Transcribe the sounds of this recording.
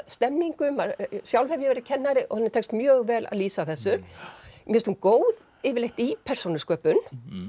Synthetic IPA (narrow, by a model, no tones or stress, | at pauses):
st̪ɛmːiŋkʏmasjawlvhɛvjɪvɛɾɪcʰɛnːaɾɪʔɔhanːɪ̥ɾt̪ʰɛkst̪mjœːɣvɛːlʔa̰ðliːsaθɛsːʏɾ̥mjɛst̪unkoːwð | ɪːvɪɾleht̪ipʰɛr̥sonʏskœːpʏn